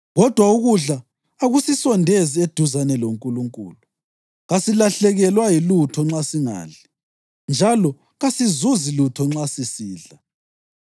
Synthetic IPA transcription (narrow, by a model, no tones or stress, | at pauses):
ɣɔd̥ʱwauɣuɮaː | ɣusisɔndʱezied̥ʱuzanɛloŋkʼuluŋkʼṵːlu | ɣasilaɬɛɣɛlwajilutʰɔŋ͡ǁasiŋa̰ːɮɛ | nd͡ʒʱalɔ | ɣasizuzilutʰɔŋ͡ǁasisiːɮa